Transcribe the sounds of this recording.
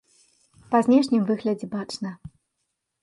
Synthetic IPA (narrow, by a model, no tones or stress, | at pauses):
pɐzʲnʲɛʂnʲimvɨɣlʲɐd͡zʲɛbat͡ʂnɐ